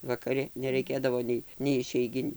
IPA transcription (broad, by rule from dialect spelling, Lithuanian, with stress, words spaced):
ʋɐkɐˈrʲɪ nʲɛrɐɪˈkʲeːdɐʋoː nʲɛɪ nʲɛɪ ɪʃʲɛɪˈɡʲɪnʲʊ